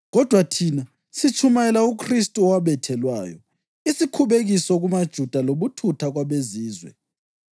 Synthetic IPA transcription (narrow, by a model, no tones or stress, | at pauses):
ɣɔd̥ʱwatʰiːna | sit͡ʃʰumajɛlaukʰristʼuɔwaβɛtʰɛlwaːjɔ | isikʰuβeɣisɔɣumad̥ʒ̥ʱud̥ʱaloβutʰutʰaɣwaβeziːzwɛ̰